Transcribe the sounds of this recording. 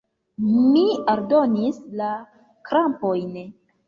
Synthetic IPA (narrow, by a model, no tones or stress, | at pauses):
miaɾdo̞nisla | kɾampo̞jn